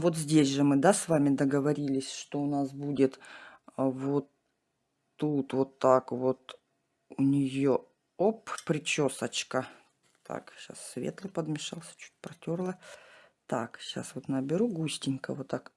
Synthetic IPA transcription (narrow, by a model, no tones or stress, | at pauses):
vo̞t̪zʲdʲesʲʐɨmɨd̪asvamʲɪd̪əɡəvɐɾʲilʲɪsʲʂt̪oʊnasbudʲɪt̪ | vot̪ː | ut̪vot̪ːakvot̪ | ʊnʲɪjo | oppɾʲɪt͡ɕosət͡ɕkə | t̪ʰa̰kɕa̰sːvʲḛt̪lˠɨpəd̪mʲɪʂalˠsʲə̥t͡ɕu̥t̚ʲpɾɐtʲorlˠət̪akɕa̰svot̪nəbʲɪɾuɡusʲtʲɪnʲkəvot̪ːak